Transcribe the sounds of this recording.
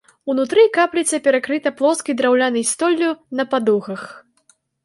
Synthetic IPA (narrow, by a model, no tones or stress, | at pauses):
unut̪ɾɨkaplʲit̪sɐpʲɛɾakɾɨt̪ɐplˠɔskʲid̪ɾawlʲanɨjst̪ɔlʲːunɐpad̪uɣɐx